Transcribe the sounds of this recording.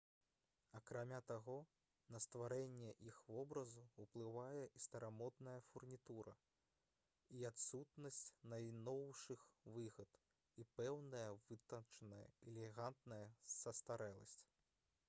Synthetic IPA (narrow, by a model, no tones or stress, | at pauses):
ɐkɾamʲat̪aɣɔ | nɐst̪vaɾɛnʲːɛʔixvɔbɾɐzuuplˠɨvajɛʔist̪ɐɾamɔd̪nɐjɐfurnʲit̪uɾɐ̰ | iat̪sut̪nɐsʲt͡sʲnɐjnɔwʂɨxvɨɣɐt̪ | ipɛwnɐjɐvɨt̪ɐt͡ʂɐnɐjɐ̰ɛlʲɛɣant̪nɐjɐsɐst̪aɾɛlˠɐ̰sʲt͡sʲ